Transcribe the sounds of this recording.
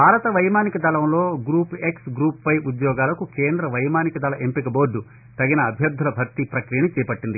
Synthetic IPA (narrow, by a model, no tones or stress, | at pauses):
bʱaːɾɐt̪ɐʋɐjmaːnikɐd̪ɐlɐmlo̞ːɡɾuːpeksɡɾuːppɐjud̪jɔːɡaːlɐkukeːnd̪ɾɐʋɐjmaːnikɐd̪ʱɐlɐʔempikɐboːɾɖːu | t̪ɐɡinɐːbʱjɐɾd̪ʱulɐbʱɐɾt̪ipɾɐkɾijɐnit͡ʃɛːpɐʈːind̪i